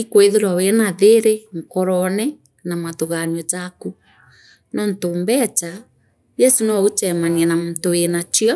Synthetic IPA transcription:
ikweðeɾwawenaðeɾeŋ̩kɔɾɔnɛ | namaðuɣanɔtaku | nɔntombɛt͡ʃa | jɛsunɛɔut͡ʃɛmaniɛnamtowenat͡ʃiɔ

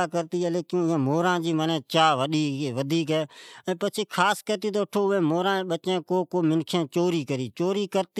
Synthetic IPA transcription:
aːkəɾt̪iːɦɛːleːkɪãːmoːɾãːd͡ʒiːmənẽːt͡ʃaːʋəɗiːʋəd̪ʱiːk̬ɦɛːɛ̃ːpət͡ʃʰeːkʰaːskəɾt̪iːt̪oːʈʰoːʊʋẽːmoːɾãːɓət͡ʃẽːkoːkoːmɪnkʰẽːt͡ʃoːɾiːkəɾiːt͡ʃoːɾiːkəɾt̪

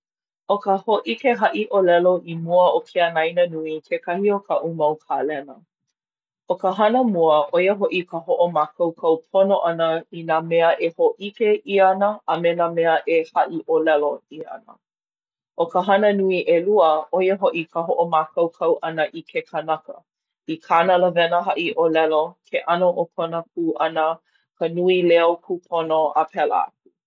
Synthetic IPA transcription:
okəhoʔikeɦɐʔiʔolɛloʔimuəokʰeɐnaijnənuikʰekɐhiokʰəʔumɐwkʰalɛnə | okəɦɐnəmuəʔojəɦoʔikəɦoʔomakʰɐwkʰɐwpʰonoʔɐnəinameəʔehoʔikeʔiɐnəʔɐmenamɛəʔehɐʔiʔolɛloiɐ̰nə̰ | ʔokəɦɐnənuiʔeluəojəɦoʔikʰəɦoʔomakɐwkʰɐwʔɐnəʔikʰekʰənɐkə̰ | ikʰanələvɛnəɦɐʔiʔolɛlokʰeʔɐnoʔokʰonəkʰuʔɐnə | kənuilɛokʰupʰonoəpʰɛlə̰a̰k̚u

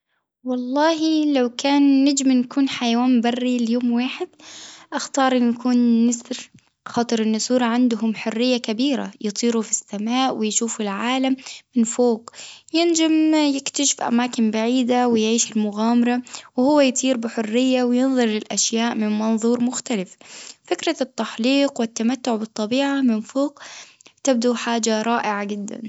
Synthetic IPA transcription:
wɑlˤːɑːɦilawkaːnːad͡ʒmɪnkuːnħajawaːmbɑrːiljoːmwaːħɪd̪̚ʔaxt̪ɑːɾˤʔɪnjakʰuːnːɪsɾ | xɑːt̪ˤɨɾʔɪnːʊsuːɾˤɑʕand̪ɦʊmħʊrːɪjːakabiːɾa̰jɨt̪ˤiːɾufisːamaːʔwɪjʃuːfʊlʕaːlamːɪnfoːqjɪnd͡ʒamjɪkt̪aʃɪ̥fʔa̰maːkɪnbaʕiːd̪awɪjʕiːʃɪlmʊɣaːmɑɾˤɑwɪhʊwːajt̪ʰˤiːɾbɪħʊrːɪjːawɪjɨnðˤɨɾˤlɪlʔaʃjaːʔmɪnmɑnðˤuːɾmʊxt̪alɪffɪkɾɑt̪ːaħliːqwɪt̪ːamat̪ːʊʕbɨt̪ˤːɑbiːʕamɪnfoːq | t̪ɪb̚d̪uħaːd͡ʒaɾˤɑːʔɪʕad͡ʒɪd̪ːa̰n

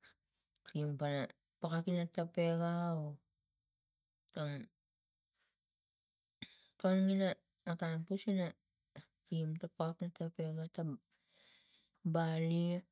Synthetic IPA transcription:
kimpana | pakakinatape̞ɡao | tom | tonŋinaː | kanpusina | kimtapaknatapeɡata | bali

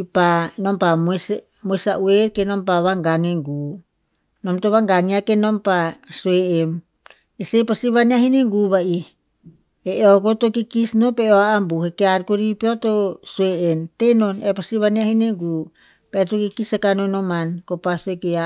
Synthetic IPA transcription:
panompams | mosaʔueɾkenompaβaŋɡaŋeŋɡu | nomtoβaŋɡaŋiakenompasueem | esepasiβaniaɦineŋɡuːβai | eʔokotokikisnopeoaːmbuhekeaɾkoɾipeotosueentenonepasiβaniahineŋɡu | peetokikisekanonomankopasoekea

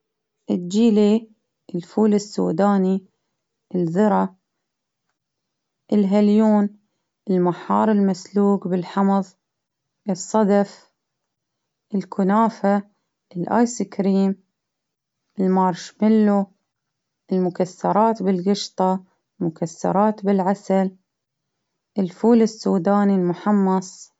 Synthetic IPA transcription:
ʔɪd͡ʒiːli | ʔɪlfuːlɪsːṵːd̪aːni | ʔɪlðɨɾˤɑ | ʔɪlɦaljuːn | ʔɪlmaħɑːɾˤɪlmasluːɡbɪlħɑmɑðˤ | ʔɨsˤːɑd̪af | ʔɪlkʰʊnaːfa | ʔɪlʔa̰ːjsikɾiːm | ʔɪlmɑːɾˤʃmɪlːu | ʔɪlmʊkasːɑɾˤɑːt̪bɪlɡɪʃt̪ˤɑ | lmʊkasːɑ̰ɾˤɑːt̪bɪlʕasal | ʔɪlfuːlɪsːuːd̪aːnilmʊħɑmːɑsˤ

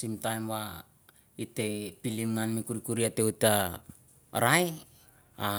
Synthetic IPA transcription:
simtajmwa | ite̞pilimnanmikuɾikuɾiate̞uta | ɾae | a

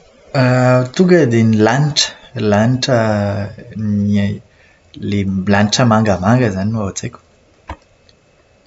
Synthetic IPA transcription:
at̪uŋɡəd̪enilaniʈ͡ʂə̥laniʈ͡ʂə | ni | leblanʈ͡ʂəmaŋɡəmaŋɡəzaninuaat͡sekʲu̥

